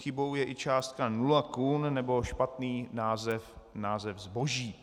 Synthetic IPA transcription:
xɪbo̞wjɛʔɪt͡ʃaːst̪̚kanulakunnɛbo̞ʃpat̪niːnaːzɛf | naːzɛvzbo̞ʒiː

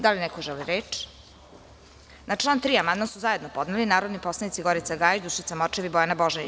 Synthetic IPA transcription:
d̪alinɛkoʒɛliɾeːt͡ʃ | nat͡ʂlˠaːnt̪ɾiːamand̪masuzaje̞d̪nopo̞d̪nelinaːɾod̪niposlˠenit̪siɡoɾit̪saɡaːjd͡ʒd̪uʃit̪samot͡ʃeʋibojanaboʒen

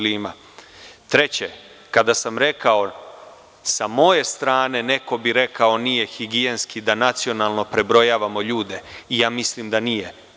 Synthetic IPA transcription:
liːma̰ | t̪ɾe̞t͡ɕe | kad̪asamɾe̞kao̞ | samo̞je̞st̪ɾaːne̞ne̞ko̞biɾe̞kao̞nije̞xiɡienskid̪anat̪sio̞nalˠno̞pɾe̞bɾo̞jaːʋamo̞ʎuːd̪e̞ijaːmislimd̪anije̞

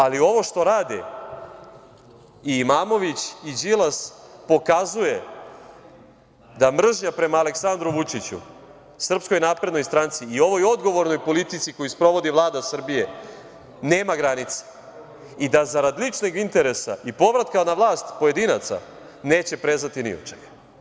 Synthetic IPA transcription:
alio̞ʋo̞ʃt̪o̞ɾaːd̪ḭ | iːmaːmo̞ʋit͡ɕid͡ʑilˠaspo̞kazuje̞ | d̪amr̩ʒɲapɾe̞maːle̞ksand̪ɾuʋut͡ʃit͡ɕṵ | sr̩psko̞jnaːpɾed̪no̞jst̪ɾant̪siːo̞ʋo̞jo̞d̪ɡo̞ʋo̞ɾno̞jpo̞lit̪it̪sikojuspɾo̞ʋo̞d̪iʋlˠaːd̪asr̩bije̞ | neːmaɡɾanit̪sḁ | id̪azaɾad̪lit͡ʂnoɡint̪e̞ɾe̞sa̰ʔipo̞ʋɾat̪kanaʋlˠaːst̪poje̞d̪inat̪sa̰ | ne̞ːt͡ɕe̞pɾe̞zat̪inḭo̰t͡ʃeɡa

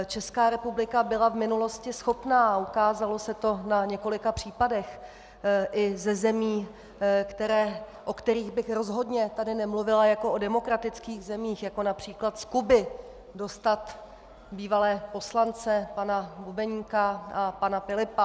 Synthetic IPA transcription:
t͡ʃɛskaːɾɛpublɪkabɪlavmɪnulo̞scɪsxo̞pnaːukaːzalo̞sɛt̪o̞naɲɛko̞lɪkapr̝̥iːpadɛx | ʔɪzɛzɛmiː | kt̪ɛɾɛː | ʔo̞kt̪ɛɾiːɣbɪxɾo̞zɦo̞dɲɛt̪adɪnɛmluvɪlajako̞ʔodɛmo̞kɾat̪ɪt͡skiːɣzɛmiːxjako̞napr̝̥iːklat̪skubɪ | do̞st̪at̪ | biːvalɛːpo̞slant͡sɛpanabubɛɲikaʔapanafɪlɪpa

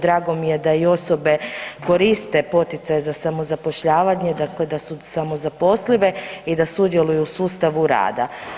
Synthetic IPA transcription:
d̪ɾaːɡo̞mije̞d̪aio̞so̞be̞ko̞ɾist̪e̞po̞t̪it̪sajzasamo̞zapo̞ʃʎaːʋaɲed̪akle̞d̪asusamo̞zapo̞sliʋe̞id̪asud̪je̞lujusuːst̪aʋuɾa̰ːd̪a̰

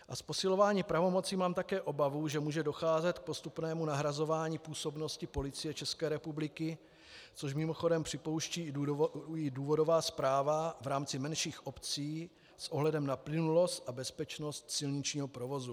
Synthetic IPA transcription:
ʔaspo̞sɪlo̞vaːɲiːpɾavo̞mo̞t͡simaːmt̪akɛːʔo̞bavuʒɛmuːʒɛdo̞xaːzɛt̪k̚po̞st̪upnɛːmunaɦɾazo̞vaːɲiːpuːso̞bno̞scɪpo̞lɪt͡sɪjɛt͡ʃɛskɛːɾɛpublɪkɪ | t͡soʃ̬mɪmo̞xo̞dɛmpr̥ɪpo̞wʃciː | ɪduːvo̞do̞vaːspɾaːvavɾaːmt͡sɪmɛnʃiːxʔopt͡siː | sʔoɦlɛdɛmnaplɪnulo̞st̪ʔabɛspɛt͡ʃno̞st̪sɪlɲɪt͡ʃɲiːɦopɾo̞vo̞zu

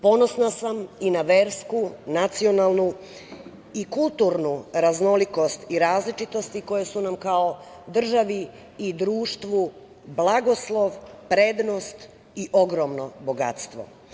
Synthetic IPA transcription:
po̞no̞snasaminaʋe̞ɾskunat̪sio̞nalˠnu | ikulˠt̪uɾnuɾazno̞liko̞st̪iɾaːzlit͡ʃit̪o̞st̪iko̞jesunamkao̞ | d̪r̩ʒaʋiː | d̪ɾuːʃt̪ʋu | blˠaɡo̞slˠo̞ʋpɾe̞d̪no̞st̪ | iʔo̞ɡɾomnobo̞ɡa̰t̪st̪ʋo̞̰

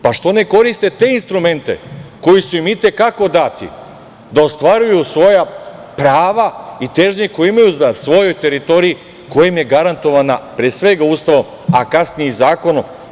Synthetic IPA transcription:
paʃt̪o̞ne̞ko̞ɾist̪e̞t̪e̞inst̪ɾume̞nt̪e̞̰ko̞jisuimit̪e̞kako̞d̪at̪ḭ | d̪ao̞st̪ʋaɾujusʋo̞japɾaːʋait̪e̞ʒɲekojeimajuzasʋo̞jo̞jt̪e̞ɾit̪o̞ɾii | kojimje̞ɡaɾant̪o̞ʋanapɾesʋe̞ɡaust̪aʋom | akasnijezaːko̞nom

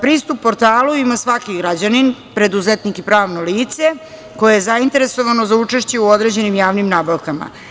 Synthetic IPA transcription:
pɾiːst̪upːo̞ɾt̪aːluimasʋakiɡɾad͡ʑaninpɾe̞d̪uzet̪nikipɾaːʋno̞liːt̪se̞ | ko̞jejezaint̪e̞ɾe̞so̞ʋano̞zaut͡ʂeʃt͡ɕe̞uod̪ɾe̞d͡ʑe̞nimjaːʋnimnaːbaʋkama̰

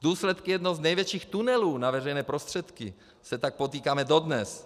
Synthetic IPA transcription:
d̪uːslɛt̪kɪjɛdnoɦoznɛjvjɛt͡ʃiːxt̪unɛluːnavɛrɛjnɛːpɾost̪r̥ɛt̪kɪ | sɛt̪ak̚po̞t̪iːkaːmɛdo̞d̪nɛs

